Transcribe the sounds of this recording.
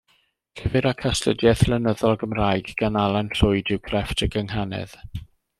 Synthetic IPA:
kʰɛvɪɾakʰastə̰djɛθlənəðɔlˠɡəmrajɡɡ̥analˠanɬʊɨdɪwkʰrɛftʰəɡəŋhanɛ̰ð̥

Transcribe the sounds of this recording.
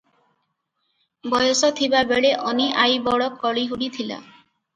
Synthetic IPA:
bɔjosɔt̪ʰibabeɽeʔɔniʔajbɔɽɔkːɔɭiɦuɽit̪ʰila̰

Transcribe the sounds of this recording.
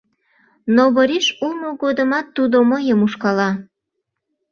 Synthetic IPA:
noβəɾiʃulmoɣod̪əmɑt̪ːud̪oməjəmuʃkɑlɑ

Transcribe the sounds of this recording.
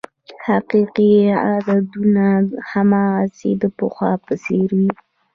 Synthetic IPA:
haqiqiad̪ad̪unahamased̪əpəxwapəseɾwi

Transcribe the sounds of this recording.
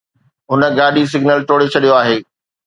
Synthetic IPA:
ɦʊnə̆ɡaːɗis̬ɪɡnəlʈoːɽet͡ɕʰɐɗijoaːɦeː

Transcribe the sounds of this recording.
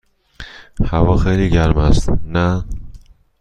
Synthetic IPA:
havɒːxeːliɡæɾmæst̪næ

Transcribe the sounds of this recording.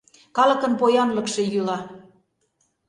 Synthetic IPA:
kɑlɤ̆kɤ̆npojɑnlɤ̆kʃĕjylɑ

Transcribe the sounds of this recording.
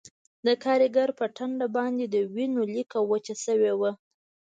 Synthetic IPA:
d̪əkʰɑɾiɡaɾpəʈaɳɖabɑnd̪ed̪əwinolikawat͡ʃasəwewa

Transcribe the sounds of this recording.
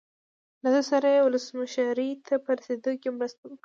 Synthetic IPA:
lad̪əsaɾajewʊləsmaʃɾit̪ʰapəɾased̪okemɾəst̪awi

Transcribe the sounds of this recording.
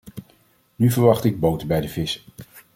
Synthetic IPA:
nyvəɹʋɑχtɪɡ̚bowtəbɛjdəvɪsə

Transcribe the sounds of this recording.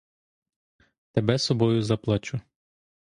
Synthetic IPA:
t̪ebɛsɔbɔjʊzɐplˠɐt͡ʃʊ

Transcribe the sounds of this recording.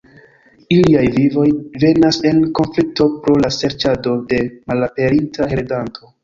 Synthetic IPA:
iliajvivo̞jve̞nase̞nko̞nflik̚to̞pɾo̞lase̞ɾt͡ʃado̞de̞malape̞ɾintʰaheɾedantʰo̞

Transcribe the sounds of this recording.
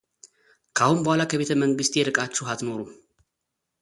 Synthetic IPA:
kʰahwumbəhʷalakʰəβe̞t̪ʰəməŋɡɨst̪ʼjɛɾɨkʼat͡ʃːuɦat̪no̞ɾu

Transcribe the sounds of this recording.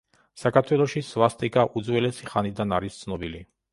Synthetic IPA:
sakʰaɾt̪ʰwɛlˠɔʃisvast̪ʼikʼaʔud̪zwɛlɛsiχanid̪anaɾist̪sʰnɔbili

